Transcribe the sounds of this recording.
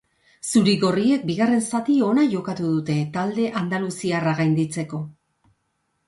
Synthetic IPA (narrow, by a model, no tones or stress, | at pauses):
suɾiɣo̞rie̞k̚biɣare̞nsat̪io̞naʝo̞kat̪uðut̪e̞t̪ald̪e̞ʔand̪alusiaraɣajnd̪it͡se̞ko̞